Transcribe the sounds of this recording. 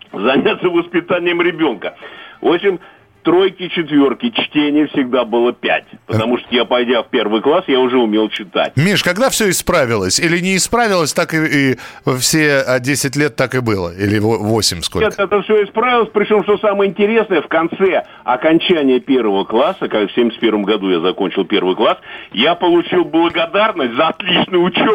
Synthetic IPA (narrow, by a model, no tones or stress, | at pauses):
zɐnʲat̪səvəspʲɪt̪anʲɪjəmɾʲɪbʲo̞nkəvoɕʲɪmʲ | t̪ɾo̞jkʲɪt͡ɕɪt̪vʲorkʲɪt͡ɕtʲenʲɪjəfsʲɪɡd̪abɨlˠəpʲæ̰t̚ʲpət̪ɐmuʂt̪ojapɐjdʲafpʲervɨjklˠasjaʊʐɛʊmʲe̞lˠt͡ɕɪt̪a̰t̚ʲmʲiʂkɐɡd̪afsʲɵɪspɾavʲɪlˠəsʲilʲɪnʲɪːspɾavʲɪlˠəsʲt̪akɨːfsʲeədʲesʲɪtʲlʲet̪ːakɪbɨlˠə̰ilʲɪvovo̞sʲɪmʲskot̪ɛt̪əfsʲoɪspɾavʲɪlˠəsʲpɾʲɪt͡ɕo̞mʂt̪osaməjəɪnʲtʲɪɾʲe̞snəjəfkɐnt̪sɛ | ɐkɐnʲt͡ɕænʲɪjəpʲe̞rvəvəklˠasːəkafsʲemʲɪsʲt̪pʲe̞ɾvəmɡɐd̪ujazɐkonʲt͡ɕɪlˠpʲe̞rvɨjklˠasjapəlˠʊt͡ɕilˠblˠəɡɐd̪arnəsʲtʲzəɐt̪lʲit͡ɕnʊjʊʊt͡ɕo